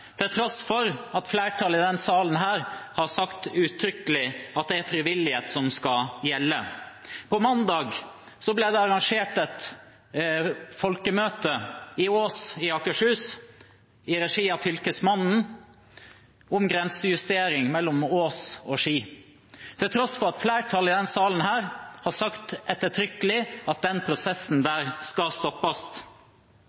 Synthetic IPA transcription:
t̪ʰɪlt̪ʰɾɔsfɔɾɑt̪flæːʈʰɑːlɪd̪ɛnsɑːlənɦæːɾhɑɾsɑkt̪ʉːt̪ʰɾʏkəlɪɑt̪̚d̪ɛæɾfɾɪʋɪlːɪheːt̪sɔmskɑjɛlːəpʰɔmɑnd̪ɑːɡ | sɔblɛd̪ɛɑɾɑŋʂeːʈɛt̪ | fɔlkəmøːt̪əɪoːsɪɑkəʂhʉːs | ɪɾɛʂiːɑfʏlkəsmɑnn̩ | ʊmɡɾɛnsəjʉst̪eːɾɪŋmɛlːɔmoːsoːʂiː | t̪ʰɪlt̪ʰɾɔsfɔɾɑt̪flæːʈʰɑːlɪd̪ɛnsɑːln̩hæːɾhɑsɑkt̪ʔɛt̪ːəʈʰɾʏkəlɪɑt̪̚d̪ɛnpʰɾʊsɛsn̩d̪æːɾskɑlst̪ɔpːɑst̪

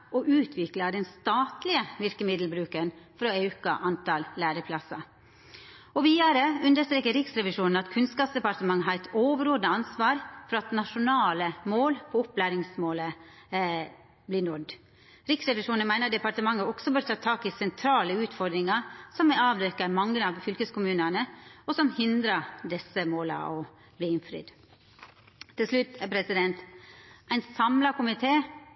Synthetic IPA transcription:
ɔʔʉːt̪ʰʋɪklɑd̪ɛnst̪ɑːt̪lɪəʋɪɾkəmɪd̪l̩bɾʉːkənfɾɔɛʉkɑ̰ʔɑnt̪ɑlːæːɾəpʰlɑsɑ | ɔʋiːd̪ɑɾəʉnd̪əʂt̪ɾeːkəɾɪksɾɛʋɪʂuːnn̩ɑt̪kʰʉnskɑːpsd̪ɛpɑɾʈt̪əmɑŋːɦɑɾɛt̪oːʋəɾoːd̪əɑnsʋɑːɾfɔɾɑt̪nɑʂʊnɑːləmoːlpʰɔɔplæːɾɪŋsmoːlə | blɪːnɔd̪ | ɾɪksɾɛʋɪʂuːnənmæɪnəɾd̪ɛpɑɾʈ̪əmɑŋːəɔɡ̥sɔbøːɾt̪ʰɑːt̪ʰɑːkɪsɛnt̪ʰɾɑːləʉːt̪fɔɾd̪ɾɪŋɑsɔmɛɑːʋd̪ɛkːəmɑŋːəɑʋfʏlkəskʊmʉːnənəɔsɔmhɪnd̪ɾəd̪ɛsəmoːlɑ̰ɔ | bliːɪnfɾɪ̰d̪ | t̪ʰːɪlslʉt̪ːæpʰɾɛsɪd̪ɛnt̪ʔæɪnsɑmlɑkʊmɪt̪ʰeː

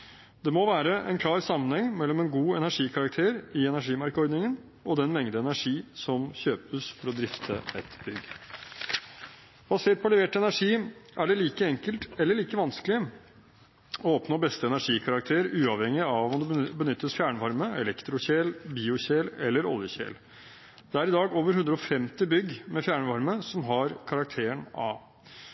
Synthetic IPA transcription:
d̪ɛmɔʋæːɾəʔɛ̰nkʰlɑːɾsɑmːənhɛŋːmɛlːɔmɛnɡuːɛnæʂiːkʰɑɾɑkt̪ʰeːɾɪɛnæʂiːmɑɾkəɔɾɖ̪nɪŋən | ɔd̪ɛnmɛŋd̪əɛnæʂiːsɔmçøːpəsfɔɾɔd̪ɾɪft̪ʰə̰ɛt̪bʏɡ | b̥ɑseːʈ̚pʰɔlɛʋeːʈɛnæʂiːʔæɖɛliːkəɛŋkəlt̪ɛlːəɭiːkəʋɑnsklɪ | ɔɔpnoːbɛst̪əɛnæʂiːkʰɑɾɑkt̪ʰeːɾəɾʉːɑʋhɛŋːɪɑʋɔmd̪ɛbənʏt̪ːəsfjæːɳəʋɑɾməɛlɛkt̪ɾʊçeːlbiːʊɕeːlɛlːəɾɔ̰ljəçḛːl | d̪̥ɛæɾɪd̪ɑːɡoːʋəɾhʉnd̪ɾəɔfɛmt̪ɪbʏɡmɛfjæːɳəʋɑɾməsɔmɦɑɾkʰɑɾɑk̚t̪ʰeːəɳɑ̰ː

